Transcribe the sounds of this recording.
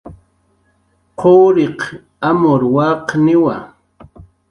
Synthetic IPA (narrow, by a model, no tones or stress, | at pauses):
qʰoːɾeq | amoɾwɑqnɪwa̰